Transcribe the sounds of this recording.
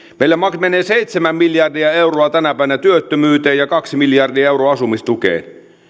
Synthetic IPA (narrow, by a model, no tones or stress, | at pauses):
meilːæmɑkmeneːsejt̪semæmmiljɑrdiæeuroɑt̪ænæpæˑiʋenæt̪yøt̪ːømyːt̪eːjɑkɑksimiljɑrdiɑewroːɑsumist̪ukḛːn